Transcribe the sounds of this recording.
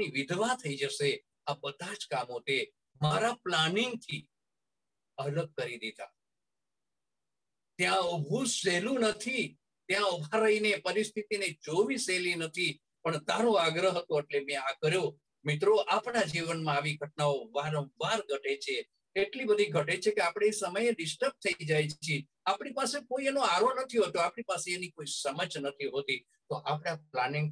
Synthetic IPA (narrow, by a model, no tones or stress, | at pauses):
iʋɪd̪ʱʋat̪ʰəid͡ʒəse | abəd̪ʱad͡ʒkamot̪e | maɾaplaniŋɡt̪ʰi | ələɡ̚kəɾid̪et̪a̰ | t̪jãəbʱuselũnət̪ʰi | t̪jãəbʱaɾəinepəɾist̪ʰit̪ined͡ʒoʋiselinət̪ʰi | pəɳd̪ʱãɾõaɡɾəɦət̪õeʈlemẽaɡɾjo | mit̪ɾoʔapnad͡ʒiʋənmãaʋiɡʱəʈ̚naoʋaɾə̃ʋaɾɡʱəʈet͡ʃʰe | eʈlibəd̪ʱiɡʱəʈet͡ʃʰekeapɽ̃eːsəməjeɖɪsʈəp̚t̪ʰəid͡ʒajt͡ʃie | apɽipasekoienoaɾonət̪ʰiɦot̪oapɳ̃ipaseenikoisəməd͡ʒnət̪ʰiɦot̪i | t̪oʔapɽaplaniŋɡ